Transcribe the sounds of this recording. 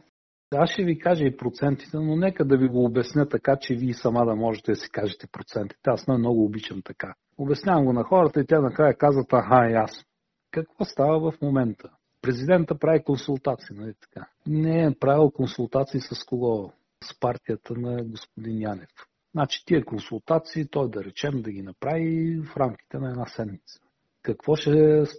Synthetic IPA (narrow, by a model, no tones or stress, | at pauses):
asʃɛvikaʒəipɾot̪sɛnt̪i̥t̪ɛnonɛkəd̪ɐviɡoːbɛsnʲət̪ɐkat͡ʃɛviːsɐmad̪ɐmɔʒɛt̪ɛd̪ɐsi̥kaʒɛt̪ɛpɾot̪sɛnt̪i̥t̪ɛasnamnɔɡʊːbit͡ʃɛnt̪ɐka | obɛsnʲavəmɡonɐxɔɾət̪əit̪ʲanɐkɾajəkazvət̪ɐɦaias | kɐkvɔst̪avəvɐfmomɛnt̪ʰə | pɾɛzid̪ɛnt̪əpɾavikonsulˠt̪at̪siinɐlit̪ɐ̥ka | nɛɛpɾavilˠkonsulˠt̪at̪siːsɐskoɡɔ | spaɾt̪ʲijət̪ʰənɐɡospʊd̪injanɛf | znat͡ʃi̥t̪iɛkonsulˠt̪at̪siːt̪ɔjd̪ɐɾɛt͡ʃɛmd̪ɐɡʲinɐpɾavifɾamk̟ʲi̥t̪ɛnɐɛdnasɛmnit̪sə̥ | kɐkvɔʃɛs